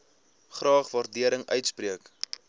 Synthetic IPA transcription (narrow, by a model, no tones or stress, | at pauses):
χrɑːχvɑrdiəɾəŋœ̰ɥtspriək